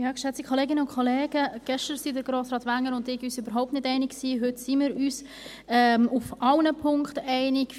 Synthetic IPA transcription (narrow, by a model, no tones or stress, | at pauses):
jɑːɡ̥ʃɛt͡stikʰχoleːɡɪnəʊnkʰolɛːɡ̥əɡ̥ɛʃtəɾsidəɾɡɾoːsɾɑːtʋæŋːəɾʊndɪɡyːsybəɾɦɔʊp̚tnɪdɛɪnɪkksiːɦʏtsimɪːɾyːs | ɛmufʔɑlnəpʰʊŋktɛɪnɪɡ̥